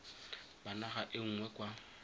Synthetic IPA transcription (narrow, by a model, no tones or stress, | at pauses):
banaχaʔɪŋ̩ŋwɛkʼwa